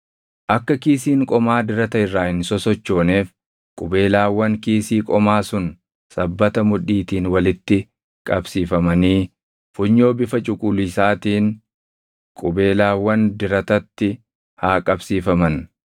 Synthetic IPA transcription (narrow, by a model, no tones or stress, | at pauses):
ʔɐkːɐkiːsiːŋkʼɔmaːd̪ɪɾɐt̪ɐɪrːaːhɪnsɔsɔt͡ʃːo̞ːne̞ːf | kʼʊbe̞ːlaːwːɐŋkiːsiːkʼɔmaːsʊn | sɐbːɐt̪ɐmʊᶑiːt̪iːnwɐlɪt̪ːɪ | kʼɐbsiːfɐmɐniː | fʊɲːo̞ːbɪfɐt͡ʃʼʊkʼʊlʊɪsaːt̪iːŋ | kʼʊbe̞ːlaːwɐnd̪ɪɾɐt̪ɐt̪ːɪ | haːkʼɐbsiːfɐmɐn